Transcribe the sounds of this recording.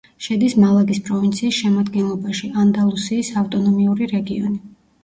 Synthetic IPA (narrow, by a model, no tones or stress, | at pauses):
ʃɛd̪ismalˠaɡispʼɾɔvint̪sʰiːsʃɛmad̪ɡɛnlˠɔbaʃiand̪alˠusiːsaft̪ʼɔnɔmiuɾiɾɛɡiɔni